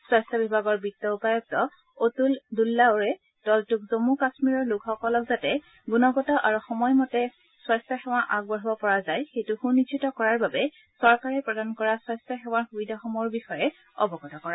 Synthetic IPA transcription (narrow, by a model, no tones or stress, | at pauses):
swastɔbibʱaɡɔɹbitːɔupajɔk̚tɔ | otuldulːaoɹɛ | d̥ɔltukzomukasmiɹɔɹlʊkxɔkɔlɔkzatɛ | ɡunɔɡɔtɔʔaɹuxɔmɔjmɔtɛ | swajstɔxɛw̃aʔaɡ̚bɔɹɔbɔpɔɹazajxejtuxunːid͡ʒitɔkɔɹaɹbabɛ | sɔɹkaɹɛpɹɔdankɔɹaswɔjstɔxɛw̃aɹxubidʱaxɔmɔɹbixɔjɛ | ɔ̰bɔɡɔtɔkɔɹa